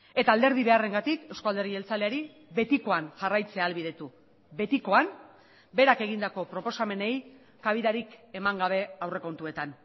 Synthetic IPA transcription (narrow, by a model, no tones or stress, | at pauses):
e̞t̪aːld̪e̞ɾð̞iβe̞are̞ŋɡat̪ike̞wskoald̪e̞rie̞lt͡sale̞aɾi | βe̞t̪iko̞anʝarajt͡se̞aːlβiðe̞t̪u | be̞t̪iko̞an | be̞ɾake̞ɣ̞ind̪ako̞pɾo̞po̞same̞ne̞j | kaβ̞iðaɾike̞maŋɡaβ̞e̞awre̞ko̞nt̪ue̞t̪an